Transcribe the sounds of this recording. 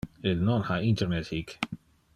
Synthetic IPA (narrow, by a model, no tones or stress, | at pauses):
ɪlnɔnħɐɪnt̪ɛɾnɛt̪hiːk